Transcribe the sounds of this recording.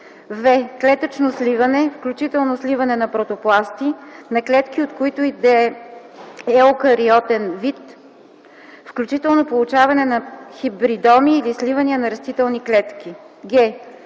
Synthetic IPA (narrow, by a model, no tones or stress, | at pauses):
vɛklɛt̪ət͡ʃnoslivɐnɛfklʲut͡ʃit̪ɛlˠnoslivɐnɛnɐpɾot̪oplˠast̪inɐklɛt̪kʲiot̪koit̪oid̪ɛ | ɛokəɾiɔt̪ɛnvit̪ | fklʲut͡ʃit̪ɛlˠnopolˠut͡ʃavɐnɛnɐxibɾid̪ɔmiːlislivəniənɐɾɐst̪it̪ɛlˠniklɛt̪k̟i | ɡɛ